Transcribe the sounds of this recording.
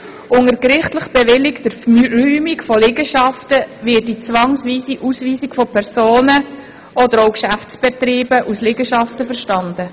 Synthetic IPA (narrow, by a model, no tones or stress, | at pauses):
ʔʊŋəɾkɾɪχtləχb̥ɛvɪlɪkd̥əɾryːmikfɔlɪɡəʃɑftəʋɪdit͡sʋɑŋsʋiːsiʔusʋiːsikfɔpʰɛɾsoːnə | ʔɔdəɾowkʃæft͡sb̥ɛtɾiːbəʔuslɪɡəʃɑftəfəɾʃtɑndə